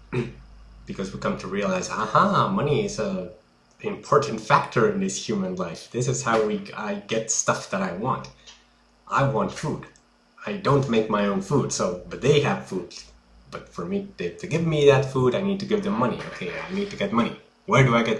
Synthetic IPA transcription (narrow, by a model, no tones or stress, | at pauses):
b̥ɨkʰʌzwikʰʌ̃mtʰɨɹiəlaɪzahɑmʌniɪzə | ɨ̃mpʰɔɹʔn̩tfæktʰə˞ɨ̃nðɪshjʉmə̃nlaɪfðɪsɨz̥haʊwia̰ɪɡɛtstʌfðɨɾaɪwɑ̃nt | ʔaɪwɑ̃ntfud | aɪdõʊ̃nmeɪk̚maɪõʊ̃nfud̥soʊbʌt̪̚ðeɪɨv̥fudz̥ | b̥ʌtfə˞miðeɪftʰɨɡɪvmiðɨtfuɾaɪnid̚tɨɡɪvðɨ̃mːʌnḭo̰ʊkʰeɪa̰ɪnid̚tɨɡɛt̚mʌni | wə˞dɨaɪɡɛt